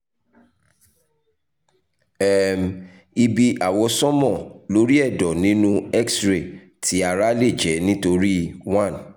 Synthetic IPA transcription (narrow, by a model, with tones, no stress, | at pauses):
ɛ˨m˨ | i˧bi˧ʔa˨wɔ˧sɔ̃˦mɔ̃˦˨lo˨˦ɾi˦ɛ˦˨dɔ˨nĩ˨˦nũ˦ɛ˦ksɾe˨ | ti˨˦a˨ɾa˦le˦˨d͡ʒɛ˨˦nĩ˦to˧ɾi˦wã˦˨n